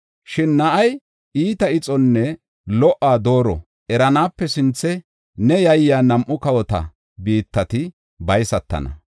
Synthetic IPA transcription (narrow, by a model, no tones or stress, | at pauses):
ʃɪnːɐʔɐj | iːt̪ɐɪt͡sʼɔnːɛ | lɔʔːaːd̪o̞ːɾɔ̰ | ʔɛɾɐnaːpːɛsɪnt͡sːɛ | nɛjɐjːaːnɐmʔʊkɐwɔt̪ɐ̰ | biːt̪ːɐt̪ɪ | bɐjsɐt̪ːɐ̰nɐ̰